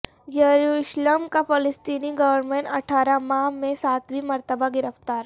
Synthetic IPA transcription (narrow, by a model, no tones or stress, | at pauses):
jɐɾuːʃləmkapɐləst̪iːniɡɐʋəɾmẽɳʈɐʈʰaːɾamãɦmẽsaːt̪ʰbimɐɾt̪əbaɡɪɾəft̪aːɾ